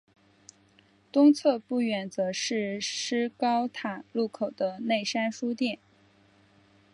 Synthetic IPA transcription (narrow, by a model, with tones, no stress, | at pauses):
t̪ʊ˥ŋt͡sʰɤ˥˧pu˥˩ɥɛ˨˩nt͡sɤ˧˥ʂɻ̩˥˩ʂɻ̩˥kɑ˥ʊt̪ʰa˨˩˦lu˥˩kʰo˨˩ʊd̪ə˦ne˥˩ɪʂa˥nʂu˥t̪jɛ˥˩n